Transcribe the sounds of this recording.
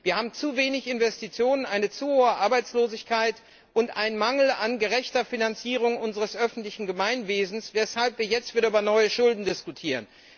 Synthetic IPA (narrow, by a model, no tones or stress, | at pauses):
viːɐhaːbm̩t͡suveːnɪçɪnvɛstit͡sjoːnənʔaɪnət͡suːhoːəʔaɐbaɪt͡sloːzɪçkʰaɪt | ʔʊntʔaɪnmaŋl̩anɡəʁɛçtɐfinant͡siːʁ̞ʊŋʔʊnzəʁəsʔœfn̩tlɪçn̩ɡəmaɪnveːzn̩svɛshalpv̥iːɐjɛt͡stv̥iːɐʔyːbɐnɔʏəʃʊldn̩dɪskutʰiːʁən